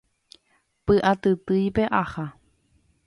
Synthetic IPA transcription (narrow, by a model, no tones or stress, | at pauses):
pɨʔat̪ɨt̪ɨjpeʔaha